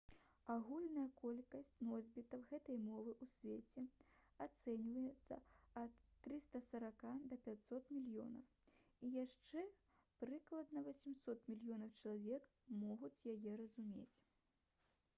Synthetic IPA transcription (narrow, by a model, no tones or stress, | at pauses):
aɣulʲnɐjɐkɔlʲkɐsʲt͡sʲnɔzʲbʲit̪ɐwɣɛt̪ɐjmɔvɨʔusʲvʲet͡sʲɛat̪sɛnʲvɐjɛt̪sːɐ̰ɐt̪ːɾɨst̪ɐsɐɾakad̪ɐpʲat͡sʲsɔt̪mʲilʲjɔ̰nɐwijaʂt͡ʂɛ | pɾɨklˠɐd̪nɐvɔsʲɛmsɔt̪mʲilʲjɔnɐwt͡ʂɐlˠavʲɛk | mɔɣut͡sʲjajɛɾɐzumʲḛt͡sʲ